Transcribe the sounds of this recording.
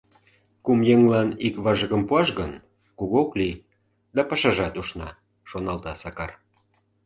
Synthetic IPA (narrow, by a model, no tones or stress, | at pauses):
kumjeŋlɑnikβɑʒəɣəmpuɑʃɣən | kuɣokli | d̪ɑpɑʃɑʒɑt̪uʃnɑ̰ | ʃonɑlt̪ɑsɑkɑr